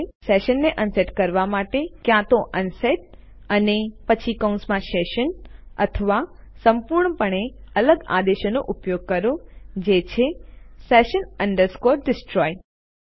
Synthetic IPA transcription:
sɛʃənːeʔənseʈkəɾʋamaʈekjãt̪oʔənsɛʈ̚ | ənepət͡ʃʰikəwnsmãʃɛʃənə̰t̪ʰəʋa | səmpuɾɳəpəɳeələɡa̰d̪eʃənoʔupjoɡ̚kəɾod͡ʒet͡ʃʰesɛʃənəɳɖəɾskoɾɖɪsʈɾɔj

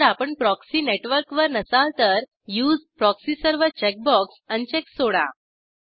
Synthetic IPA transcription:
ɾapəɳpɾɔksiːneʈʋəɾkʋəɾnəsalt̪əɾ | juːd͡zpɾɔksiːsəɾʋət͡ɕɛk̚bɔksənt͡ɕeksoɽa̰

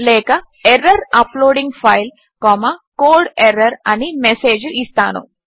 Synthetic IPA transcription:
lɛːkɐ | eɾːɐɾɐploːɖiŋɡpʰɐjl | kɔːmɐkoːlɖeɾɐɾɐnimese̞ːd͡ʒuist̪aːnṵ

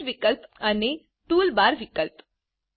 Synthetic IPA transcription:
ʋikəlpane | ʈuːlbaɾʋikəlp

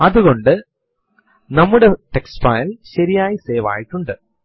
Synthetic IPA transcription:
ɐðuɣo̞ɳɖɨ | nɐmːuɽe̞ʈeksfaːjlɕɐɾijaːjiseːʋa̰ːjiʈːuɳɖɨ

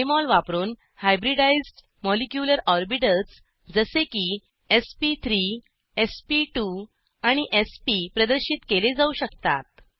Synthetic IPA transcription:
emɔlʋapɾuːn | hajbɾiɖaizɖ | mɔlikjuləɾɔɾbiʈət͡s | d͡zəseki | espit̪ʰɾi | espiʈu | aɽ̃iʔespipɾəd̪əɾɕiːt̪keled͡zauɕəkt̪a̰t̪̚

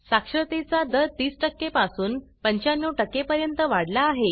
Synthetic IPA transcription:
sakʂɾət̪et͡sad̪əɾt̪iːsʈəkːepasuːnpəɲt͡ɕanːuʈəkːepəɾjənt̪əʋaɽlaːɦe

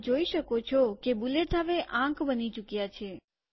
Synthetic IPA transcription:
d͡ʒoiʃəkot͡ʃʰokebuleʈɦaʋeʔãkbənit͡ʃukjat͡ʃʰe

